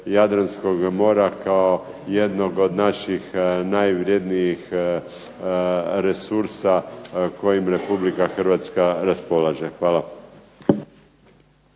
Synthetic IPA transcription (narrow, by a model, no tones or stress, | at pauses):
jad̪ɾansko̞ɡmo̞ːɾakaoje̞d̪no̞ɡo̞d̪naʃixnajʋɾje̞d̪nijix | ɾe̞suɾsako̞jimɾe̞publikaxr̩ʋat̪skaɾaspo̞lˠaːʒexʋaːla